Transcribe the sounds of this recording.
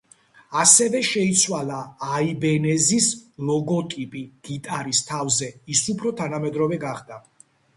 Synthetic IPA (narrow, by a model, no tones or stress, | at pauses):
asɛvɛʃɛit̪sʰwalˠaːibɛnɛzislˠɔɡɔt̪ʼipʼiɡ̥it̪ʼaɾist̪ʰavzɛisupʰɾɔt̪ʰanamɛd̪ɾɔvɛɡaχd̪a